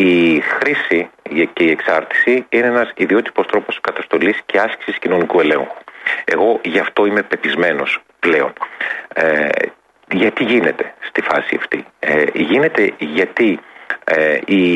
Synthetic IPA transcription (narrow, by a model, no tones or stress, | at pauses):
ixɾisice̞ie̞ksɐɾt̪i̥siineenɐsiðio̞t̪i̥po̞st̪ɾo̞po̞skɐt̪ɐst̪o̞lisce̞ɐsci̥siscino̞nikue̞lẽ̞̰ŋxu̥e̞̰ɣo̞ʝɐft̪o̞ime̞pe̞pizme̞no̞s | ple̞o̞̰n | ʝɐt̪iʝine̞t̪e̞st̪ifɐsiɐ̰ft̪iʝine̞t̪e̞ʝɐt̪i | i